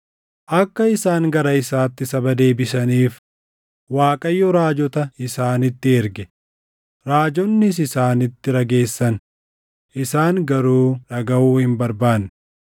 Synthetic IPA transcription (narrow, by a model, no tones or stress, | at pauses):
ʔɐkːɐɪsaːŋɡɐɾɐɪsaːt̪ːɪsɐbɐd̪e̞ːbɪsɐniːf | waːkʼɐjːɔɾaːd͡ʒɔt̪ɐɪsaːnɪt̪ːɪɛɾɡɛ | ɾaːd͡ʒɔnːɪs̬ɪsaːnɪt̪ːɪɾɐɡe̞ːsːɐn | ʔɪsaːŋɡɐɾuːᶑɐɡɐʔuːhɪmbɐɾbaːnː